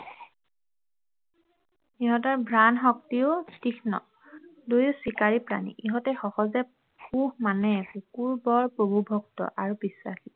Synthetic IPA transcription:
iɦɔtaɹbʱɹanɦɔk̚tiʊtixʰnɔ̰ | dojʊsikaɹipɹa̰nḭʔiɦɔtɛxɔxɔzɛ | puhmanɛpukuɹbɔɹpobubʱɔktɔ̰ʔaɹubiswa̰xi

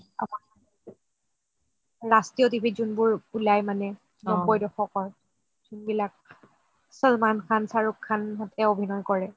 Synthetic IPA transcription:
a̰p | ɹastijotibʱizunbʊɹpulajmanɛ | nɔbɔjdɔxɔkɔɹ | tunbilak̚ | sɔlmankʰansaɹukʰːanɦɔtʰɛobʱinɔjkɔɹɛ

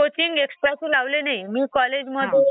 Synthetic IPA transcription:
ot͡ɕiŋɡeksʈɾasʰulawlenejmikɔled͡ʑmɔd̪ʱe

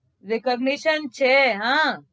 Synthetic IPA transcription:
ɾɪkəɡniʃənt͡ʃʰeɦã

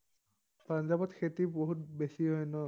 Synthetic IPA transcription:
panzabɔtxʰetiboɦut̚besiɦɔjnɔ

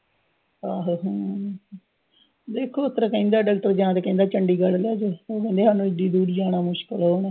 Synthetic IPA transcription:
aːɦoɦ | d̪eːkʰːoːʊt̪ːəɾakəĩːnd̪aːɖaːk̚ʈəɾd͡ʒãːt̪eːkə̃ĩnd̪aːt͡ʃəɳɖiːɡəllaːd͡ʒoːoːkɛ̃ːnd̪eːɦaːnũːɪd̪iːd̪uːɾiːaːnaːmʊʃkəlɦoːnɛː

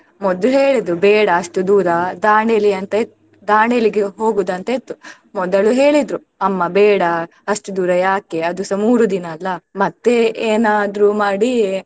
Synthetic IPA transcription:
mɔd̪uɦeːɭid̪ɾubɛːɽɐːʂʈud̪uːɾɐd̪aːɳeliɐnt̪ɐet̪ːuu | d̪aːɳeliɡeɦoːɡud̪ɐnt̪ɐet̪ːu | mɔd̪ɐɭuɦeːɭid̪ɾu | ɐmːɐbɛːɽɐ | ɐʂʈud̪uːɾɐjaːkeɐd̪usɐmuːɾud̪inɐːlːɐmɐt̪ːeeːnaːd̪ɾumaːɽi

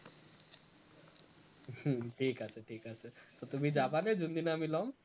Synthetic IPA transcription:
ʈʰikasʰeʈʰikat͡ʃʰet̪ot̪umid͡ʑapaned͡ʒund̪inamilom

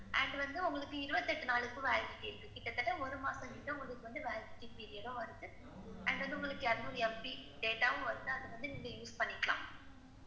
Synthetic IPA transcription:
ʔɐ̰ɳɖʋɐnd̪ɯʊŋɡɐɭɯkːɯɪɾɯbɐt̪ːɛʈːɯnaːɭɯkːɯ̃ʋɛːlkːɪʈːɪɪɾɯkːɯkɪʈːɐt̪ːɐʈːɐɔɾɯmaːsɐ̃ɪʈːɐʊŋɡɐɭɯkːɯʋɐnd̪ɯʋaːlkɪʈːipːiɾɪjɐɽõːʋɐɾɯðɯ | ɐɳɖʋɐnd̪ɯʊŋɡɐɭɯkːɯɛɾɐnd̪ɯɔɾɯɛmpiɖeːʈːaːʋɯ̃ʋɐɾɯnd̪ɯɐðɯʋɐnd̪ɯniŋɡɐjuːspɐɳːɪkːɐɭã̰ː

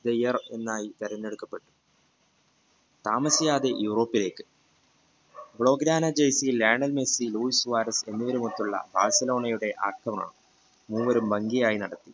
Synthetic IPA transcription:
d̪ejɐre̞̰nːaːjit̪ɐɾɐnːe̞ɽukːɐpːe̞ʈːu̥ | t̪aːmɐsijaːd̪ejuːro̞ːpːile̞ːkːɨ̥ | bɭo̞ːɡɾaːnɐd͡ʑejsileːɳɐlmesiluːisʋaːɾɐse̞nːiʋɐɾumut̪ːuɭːɐ̰ba̰ːɻsɐlo̞ːɳɐjuɽe̞ʔa̰ːrkʰːɐma̰ːɳɨ | muːʋɐɾumbɐŋɡijaːjinɐɽɐt̪ːi

